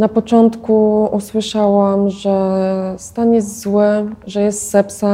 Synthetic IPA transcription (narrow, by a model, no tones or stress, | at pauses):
napɔt͡ʂɔnt̪kuuswɘʂawamʐɛst̪aɲjɛzt̪zwɘʐɛjɛst̪sɛpsa